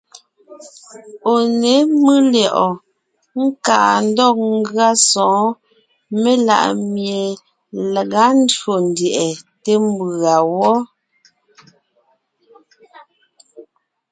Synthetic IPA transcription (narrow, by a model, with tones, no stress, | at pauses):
o˨ne˨˦mɨ˦ljɔ˨ʔɔ˨ | ŋ̩˦ka˨n̩˦dɔ˦˨k̚ŋ˦ɡɰa˦sɔ̃ː˨˦ | me˦la̰˨ʔmje˨ | le˨ɣa˦n̩˦dɰo˨n˨djɛ˨ʔɛ˨te˦m˦bɰa˨wɔ˦